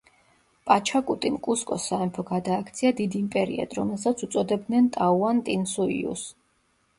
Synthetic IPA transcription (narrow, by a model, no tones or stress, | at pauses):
pʼat͡ʃʰakʼut̪ʼimkʼuskʼɔsːaɛmpʰɔɡad̪aːkʰt̪sʰiad̪id̪iimpʼɛɾḭɛ̰d̪ɾɔmɛlˠsat̪sʰut̪sʼɔd̪ɛbd̪nɛnt̪ʼauant̪ʼinsuḭṵs